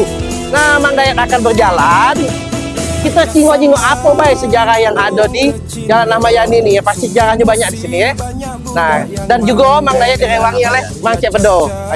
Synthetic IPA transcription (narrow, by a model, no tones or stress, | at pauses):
namaŋdajakakanbərd͡ʒalan | kit̪at͡ʃiŋot͡ʃiŋɔʔapabaɛsəd͡ʒaɾahjaŋadodi | d͡ʒalanːamajaninijapast̪isəd͡ʒaɾahɲabaɲak̚disinijɛ | nadand͡ʒuɡamaŋdajak̚diɾewaŋɲalɛh | maŋt͡ʃɛpədo | a